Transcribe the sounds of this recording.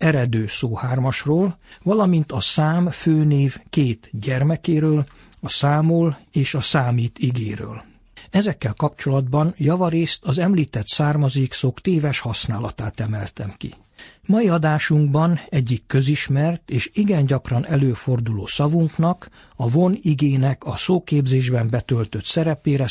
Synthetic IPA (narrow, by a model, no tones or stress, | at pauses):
ɛɾɛd̪øːsoːhaːrmɒʃroːlvɒlɒmint̪ɒsaːmføːneːvkeːt̪ɟɛrmɛkeːɾøːl | ɒsaːmoːleːʃɒsaːmiːt̪iɡeːɾø̰ːl | ɛzɛkːɛlkɒpt͡ʃo̞lɒd̪bɒnjɒvɒɾeːst̪ɒzɛmliːt̪ɛt̪saːrmɒzeːksokt̪eːvɛʃhɒsnaːlɒt̪aːt̪ɛmɛlt̪ɛmkḭ | mɒiɒd̪aːʃuŋɡbɒnɛɟːikːø̞ziʃmɛrt̪eːʃiɡɛnɟɒkrɒnɛløːfo̞rd̪ulo̰ːsɒvuŋknɒk | ɒvoniɡeːnɛkɒsoːkeːbzeːʒbɛmbɛt̪ølt̪ø̞t̪sɛɾɛpeːɾɛ